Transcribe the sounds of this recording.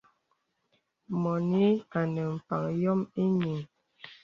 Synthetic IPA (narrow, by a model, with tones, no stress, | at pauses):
mɔ˨ni˦a˨nə˨m̩˨pa˨ŋjɔ˦mi˦ɲi˨ŋ